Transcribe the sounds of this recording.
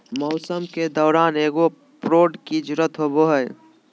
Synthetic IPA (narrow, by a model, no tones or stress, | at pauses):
mɔʊsəmked̪ɔːɾaːneːɡo | pɾoːɖkid͡ʒʊɾət̪ɦoboɦəj